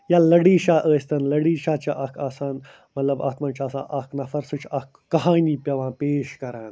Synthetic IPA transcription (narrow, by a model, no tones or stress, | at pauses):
jaːlɐɽiːʃaːʔəːsʲt̪ɐnlɐɽiːʃaːt͡ʃɐʔɐkʰaːsaːn | mɐt̪lɐba̰ːt̪mãːnt͡ʃʰaːsã̰ːʔɐknɐfɐɾsut͡ʃʰɐkːɐɦaːniːpʲɐʋãːnpeːʃkɐɾãːn